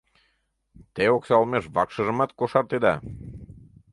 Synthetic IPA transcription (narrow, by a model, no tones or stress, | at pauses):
t̪eoksɑlˠmeʃβɑkʃəʒə̆mɑt̪̚koʃɑrt̪ed̪ɑ